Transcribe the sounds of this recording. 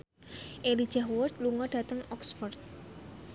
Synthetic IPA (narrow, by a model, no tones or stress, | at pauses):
ʔelid̥ʒ̥aɦwʊrt̪̚luŋɔd̥a̤t̪əŋɔksfɔrt̪̚